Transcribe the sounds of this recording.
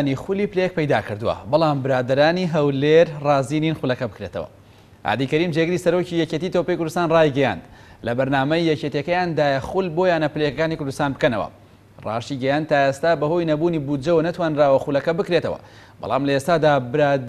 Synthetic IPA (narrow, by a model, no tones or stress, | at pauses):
nixʊliːplek̚pɐjd̪a̰ːkɨɾd̪uwɐ̰bɑlˠaːmbɨɾaːd̪ɐɾaːniɦɐwleɾrɑːziːninxulɐkɐbɨkɾet̪ɐ̰wɐ̰ | ʔa̰ːd̪ikɐɾimd͡ʒeɡɨɾiːsɐɾoːcijɛcet̪it̪opɐjkʊɾd̪ust̪aːnraːjɡɐja̰nd̪ | lɐbɐɾnaːmɐjjɛcet̪jekɐjaːnd̪aːjɐxulboːjaːnɐplekɐkaːnikʊɾd̪ust̪aːnbɨkɐnɐ̰wɐ̰ | rɑ̰ːʃiɡɐjand̪̚t̪ʰːaːʔest̪aːbɐɦo̞jnɐbuːniːbud͡ʒɐwɐnɐt̪waːnraːwɐxulɐkɐbɨkɾet̪ɐwɐ̰ | bɑ̰lˠɑ̰ːmlɐest̪aːd̪aːbɨɾaː